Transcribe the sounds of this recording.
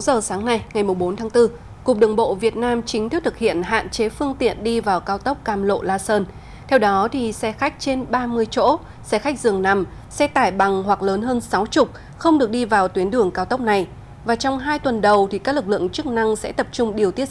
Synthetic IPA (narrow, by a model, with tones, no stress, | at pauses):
zəː˨˩saː˨˦ŋna˧jŋa˨˩jmʊ˨˩ŋ͡mɓo˨˦nt̪ʰaː˨˦ŋt̪ɨ˧ | ku˨˩k͡p̚ɗɨ˨˩əŋɓo̰˧˨vi˨˩ət̚naː˧mt͡ɕï˨˦ŋ̟t̪ʰi˦˥t̪ʰɨ˨˩hḭ˧˨ənɦa̰ː˧˨nt͡ɕe˨˦fɨ˧əŋt̪ḭ˧˨ənɗi˧vaː˨˩wkaː˧wt̪ə˦˥wk͡p̚kaː˧˩mlo̰˧˨laː˧səː˧n | t̪ʰɛ˧wɗɔ˨˦t̪ʰi˨˩sɛ˧xa˦˥k̟̚t͡ɕe˧nɓaː˧mɨ˧əjt͡ɕo̰˧˥ | sɛ˧xa˦˥k̚zɨ˨˩əŋna˨˧˩m | sɛ˧t̪aː˧˩jɓa˨˩ŋhwa˨˩k̚ləː˨˦nɦəː˧nsa˨˦wt͡ɕʊ˨˩k͡p̚ | xə˧wŋ͡mɗɨ˨˩ək̚ɗi˧vaː˨˩wt̪wi˨˦ənɗɨ˧˩əŋkaː˧wt̪ə˦˥wk͡p̚na˨˩j | vaː˨˩t͡ɕɔ˧wŋ͡mɦaː˧jt̪wə˨˩nɗə˨˩wt̪ʰi˨˩kaː˦˥k̚lɨ˨˩k̚lɨ̰˧˨əŋt͡ɕɨ˦˥k̚na˧ŋsɛ̰˧˥t̪ə˨˩p̚t͡ɕʊ˧ŋ͡mɗi˨˩əwt̪i˦˥ə